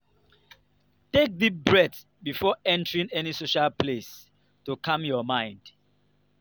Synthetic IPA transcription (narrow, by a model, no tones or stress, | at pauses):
tek̚ðibɹɛθ | bifɔɛ̃ntəɹĩŋɛnisoʃalples | tukʰãmjɔmãɪ̃nd̥